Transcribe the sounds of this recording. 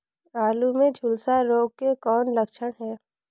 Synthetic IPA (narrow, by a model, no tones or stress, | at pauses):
aːlumẽd͡ʒʱʊlsaɾoːɡ̚kekɔːnləkʃəɽ̃ɦɛː